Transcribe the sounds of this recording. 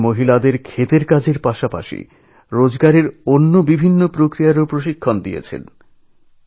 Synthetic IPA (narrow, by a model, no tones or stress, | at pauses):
moɦilad̪eɾkʰet̪eɾkad͡ʑʱeɾpaʃapa̰ʃḭ | ɾod͡ʑɡaɾeɾonːobibʱinːopɾokɾijaɾopɾoʃ̬ikʰːond̪ijḛt͡ɕʰḛn